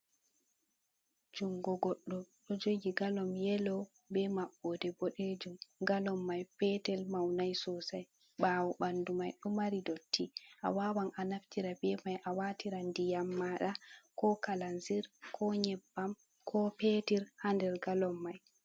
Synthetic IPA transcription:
d͡ʒuŋɡɔɡɔɗːɔɗɔd͡ʒoɡiɡalɔmjɛlɔ | bɛmaɓːɔdɛboɗed͡ʒumɡalɔmːajpɛtɛlmawnajsɔsaj | ɓaːwɔɓandumajɗɔmaɾidotʰːiʔa̰waːwanʔanaftiɾabɛmajʔawatiɾandijamːaɗakɔkalanziɾkʰɔɲɛbːam | kʰɔpetiɾhandɛɾɡalɔmːaj

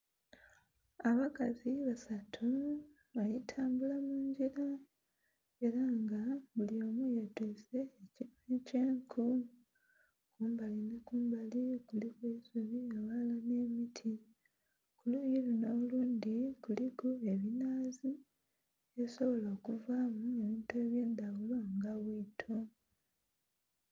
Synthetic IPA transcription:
aβakaziβasatʰu | βajitʰaːmbulamuːɲɟiɾa | e̞ɾaŋɡaβuliomujetuse̞ːcinweceːŋkʰu | kuːmbalinekuːmbalikulikwesuβiewalane̞ːmitʰi | kuluːɲjiluno̞luːndikulikue̞βinaːzi | eso̞βo̞loːkuvaːmue̞βiːntue̞ːβje̞ːndawulaŋɡaβiːtʰo

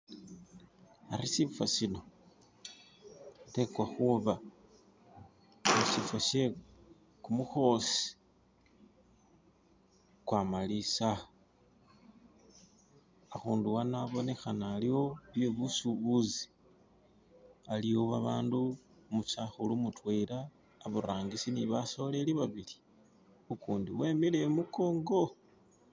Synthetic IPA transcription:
aɾisifwasino̞ | te̞kwaxuβa | usifaʃe̞ | kumuxo̞si̥ | kwamalisa | xuːnduwanaβo̞ne̞xanaːliwo̞βjeβusuβuzi | aliwo̞βaβaːndu | mut͡ʃaxulumutweɾaː | βuɾaːŋɡisiniβaso̞le̞liβaβili̥ | ukuːndiwe̞mile̞muko̞ːŋɡo̞

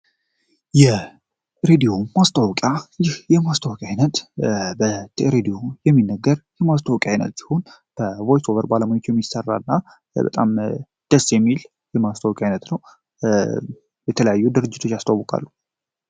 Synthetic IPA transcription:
jɛ | ɾed̪io̞mast̪ʼawkʼjajɪhjɛmast̪ʰʼawkʼajnət̪bəɾed̪ijo̞jɛmːinːəɡːəɾjɛmast̪ʰʼawkʼjajnə̰t̪si̥ho̞nbəvojsovəɾbaləmaɲot͡ʃːjɛmːisərːa̰nːa | bə̰t̪ʼam | d̪̥əsːjɛmːil | jɛmast̪ʰʼawkʼajnət̪nəw | jɛt̪ʰələjajːud̪ɨɾɨd͡ʒːɪt̪ʰo̞t͡ʃːjast̪ʰʼawəkʼa̰lːu

